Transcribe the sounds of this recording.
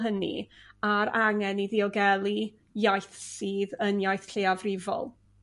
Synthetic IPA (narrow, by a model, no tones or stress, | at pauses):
ɦənḭaɾaŋɛniðiɔɡɛlˠi | jajθsiːðənjajθɬeːavrɪvɔ̰lˠ